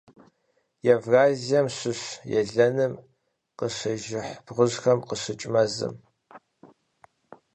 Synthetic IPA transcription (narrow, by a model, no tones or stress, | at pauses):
jɛvraːzijɐmɕɨɕjɛ̰ɮɐnɨm | qəɕɐʒɪħbʁʷʊʑxɐmqəɕɨt͡ʃʼmɐzɨ̰m